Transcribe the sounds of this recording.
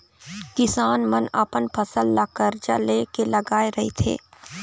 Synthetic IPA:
kɪsaːnməna̰ːpənpʰɐsəlːaːkəɾd͡ʒa̰leːkelɐɡaːeɾɐɦḛt̪ʰḛː

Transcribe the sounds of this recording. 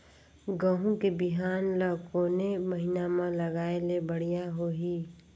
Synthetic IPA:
ɡəɦũkebɪɦaːnləːkoːneməɦɪnamãlɐɡaːelebəɽ̤ijaɦoːɦiː

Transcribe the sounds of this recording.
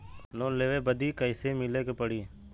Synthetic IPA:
loːnleːʋeːbəd̪iːkəɪseːmɪleːkepəɽiː

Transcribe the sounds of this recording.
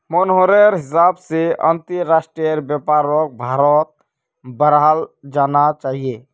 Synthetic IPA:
mənɦoɾeɾɦɪsaːbseʔə̰̃nt̪iɾaːsʈɾijəɾbjəpaːɾok̚bʱaːɾɔt̪̚ | bəɾald͡ʒaːnat͡ʃaːɦie

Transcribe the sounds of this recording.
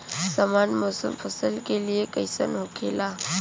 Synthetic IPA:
saːmaːnmɔːsə̰mpʰɐsəlkelijekɐɪsə̰nɦʊkʰelaː

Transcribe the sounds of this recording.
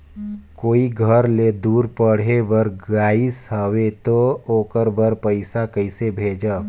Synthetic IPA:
koːiɡʱəɾled̪uːɾpəɽ̤ebəɾɡaːisɦəwet̪ooːkəɾbəɾpəɪsakəɪsebʱeːd͡ʒə

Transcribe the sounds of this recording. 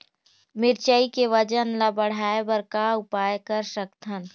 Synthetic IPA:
mɪɾt͡ʃəikeʋəd͡ʒənlɐbəɽ̤aːebəɾkaʊpaːjkəɾsəkt̪ʰən

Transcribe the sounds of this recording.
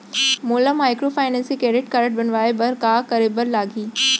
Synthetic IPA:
moːləmaːɪkɾoːfaːɪnẽːnsikɾeːɖɪʈ̚kɐɾəʈ̚bɪnʋaːebɐɾkaːkɐɾebəɾlaːɡʱiː

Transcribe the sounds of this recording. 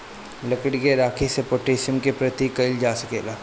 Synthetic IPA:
lɐkəɽɡeɾaːkʰisepoːʈeːsəmkepɾɐt̪ikɐɪld͡ʒaːsəkeːlaː

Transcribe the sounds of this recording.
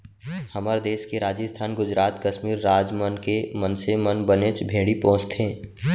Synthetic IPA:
hɐməɾd̪eːskeɾaːd͡ʒəst̪ʰaːnɡʊd͡ʒɾaːt̪kɐʃmiːɾːaːd͡ʒmənkemənsemənbənet͡ʃbʱeːɽipɔ̃ːt͡ʃt̪ɦẽː

